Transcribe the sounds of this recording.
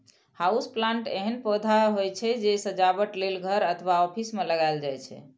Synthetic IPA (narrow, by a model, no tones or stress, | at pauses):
hausplãɳʈḛɦənpod̪ʱaɦojt͡ʃʰɛd͡ʒesəd͡ʒabəʈlelɡʱəɾət̪ʰəʋaɔpʰismeləɡaeld͡ʒajt͡ʃʰɛ̰